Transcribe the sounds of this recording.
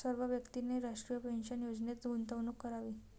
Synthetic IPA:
səɾʋəʋjəkt̪ineɾaʂʈɾijəpenɕənjod͡znet͡sɡunt̪əʋnukːəɾaʋiː

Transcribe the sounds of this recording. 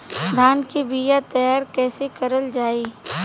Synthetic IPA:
d̪ʱaːnkibijat̪ɐjaːɾkɛːsekəɾəld͡ʒaːiː

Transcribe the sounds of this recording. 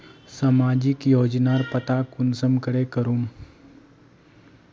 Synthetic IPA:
saːmaːd͡ʒɪkjoːd͡ʒnaːɾpət̪akʊnsəmkəɽekəɾuːn

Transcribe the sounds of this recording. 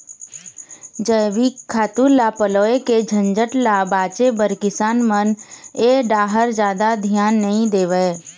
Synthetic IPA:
d͡ʒəjʋikʰːaːt̪uːɾlːaːpəloːeked͡ʒʱə̃nd͡ʒəʈlabaːt͡ʃebəɾkɪsaːnməneːɖaːɦəɾd͡ʒjaːd̪ad̪ʱjaːnːəɦĩd̪eːʋəe

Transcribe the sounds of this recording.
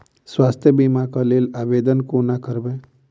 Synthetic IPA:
swaːst̪ʰjəbimakaleːlaːʋeːd̪ənkonakəɾbẽ

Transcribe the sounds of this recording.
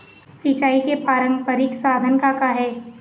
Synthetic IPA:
sit͡ʃaːikepaːɾə̃ŋɡpəɾɪksaːd̪ʱənkakaɦɛː

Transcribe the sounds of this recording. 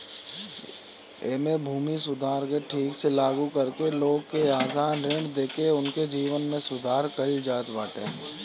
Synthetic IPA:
eːmebʱuːmisʊd̪ʱaːɾkeʈʰiːkselaːɡukɐɾkeloːɡkeaːsaːnɾeɳd̪eːkeʊnked͡ʒiːʋənmẽsʊd̪ʱaːɾkɐld͡ʒaːt̪ʋaːʈḛ̃ː

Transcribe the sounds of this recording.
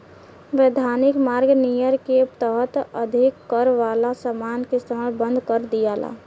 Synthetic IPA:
ʋed̪ʱaːnɪkmaːɾɡnijəɾkept̪əɦət̪əd̪ʱɪkːəɾʋaːlasəmaːnkest̪ʰəməlbə̃nd̪ʱkəɾd̪ijaːla̰ː

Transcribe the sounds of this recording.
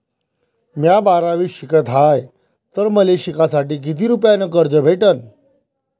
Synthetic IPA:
mjabaɾaʋiːɕikət̪ɦaj | t̪əɾməleɕikasaʈiːk̬it̪̬iːɾupjanəkəɾd͡zəbʱeʈən

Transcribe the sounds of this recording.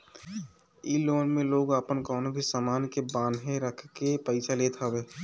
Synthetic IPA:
iːloːnmẽloːɡəpənkɔːnbʱisaːmaːnkebãːnɦẽɾəkʰkepəɪsʰaleːt̪ʰabeː

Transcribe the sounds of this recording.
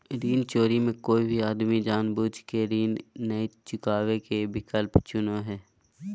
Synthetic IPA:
ɾiːnt͡ʃoːɾimẽkoːibʱiaːd̪mid͡ʒaːnbuːd͡ʒkeɾiːnːəit͡ʃʊkaːwekebɪkəlpt͡ʃʊnoɦɛː

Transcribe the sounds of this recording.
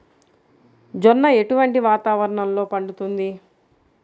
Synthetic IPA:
d͡ʒɔnːɐe̞ʈuʋɐɳʈiʋaːt̪aːʋɐɾɐɳɐmlo̞ːpɐɳɖut̪und̪i

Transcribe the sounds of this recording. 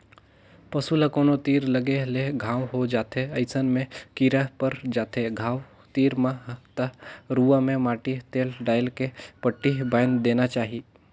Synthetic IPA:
pɐsuləkoːnot̪iːɾləɡeɦleɡʱaːwɦod͡ʒaːt̪ʰeɐɪsənmẽkiɾəpəɾd͡ʒaːt̪ʰeɡʱãːw | t̪iːɾmat̪əɾuʋamẽmaːʈit̪eːlɖaːɪlkepəʈːiɦbajnd̪eːnat͡ʃaːɦi

